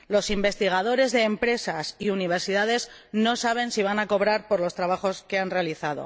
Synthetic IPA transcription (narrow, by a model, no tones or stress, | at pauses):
lo̞simbe̞st̪iɣ̞aðo̞ɾe̞zðe̞ːmpɾe̞sasiuniβ̞e̞ɾsiðaðe̞z | no̞saβ̞e̞nsiβ̞anako̞βɾaɾpo̞ɾlo̞st̪ɾaβaxo̞ske̞anre̞aliθaðo̞̰